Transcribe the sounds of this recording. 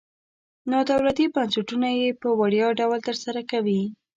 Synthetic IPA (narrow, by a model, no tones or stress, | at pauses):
nɑd̪awɾat̪ibansɪʈunajepəwaɽjɑɖawlt̪əɾsaɾakawi